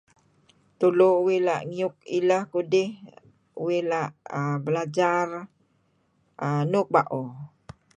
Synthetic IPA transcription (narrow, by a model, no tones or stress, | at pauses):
t̪ulouwelaʔŋiʊk̚iləhkudɪh | uwelaʔəbəlad͡ʒar | ənʊk̚baʔo